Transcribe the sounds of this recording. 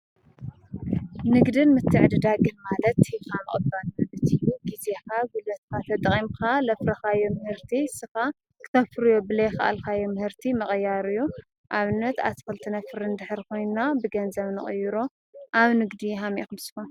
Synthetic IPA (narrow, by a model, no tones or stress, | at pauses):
nɨɡd̪ɨnmɨt̪ʰːɨʕd̪ɨd̪aɡɨnmalɐt̪ːikamɐχʼɨbalmɐbɨt̪ɨjːuɡizekaɡulɐt̪̚kʰat̪ʰɐt̪ʼχʼimkʰalɐfɾɐxajomɨhɨɾt̪ʰisɨxa | kʰɨ̥t̪ʰɐfɨɾɨjobɨlɐjxɐʔa̰lkʰajomɨhɨɾt̪ʰimɐχʼɨjːaɾɨjːu | ʔaβɨnːɐt̪a̰sfɐlt̪ʰɨnafɨɾɨnd̪ɨħɨɾkʰo̞jnnabɨɡɐnzɐβnɨ̰χʼɨ̰jːuɾo | ʔaβnɨɡd̪iɦamikɨmɨsɨ̥kon